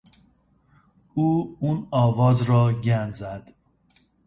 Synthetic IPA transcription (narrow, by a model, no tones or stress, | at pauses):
uːunɒːvɒːzɾɒːɟænzæd̪̥